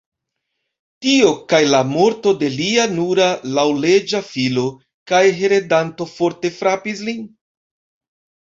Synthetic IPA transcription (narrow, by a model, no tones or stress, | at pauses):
tio̞kajlamo̞ɾto̞de̞lianuɾalawle̞d͡ʒafilo | kajɦe̞ɾedanto̞fo̞ɾte̞fɾapis̬lin